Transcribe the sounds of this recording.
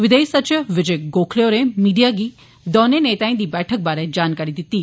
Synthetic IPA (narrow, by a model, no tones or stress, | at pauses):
ʋɪd̪ejsət͡ʃəʋɪd͡ʒejɡoːkʰlejoɾẽmiːɖijaɡiː | d̪ɔːneneːt̪aːĩd̪iːbɛːʈʰək̚baːɾed͡ʒaːnkaɾid̪ɪt̪iː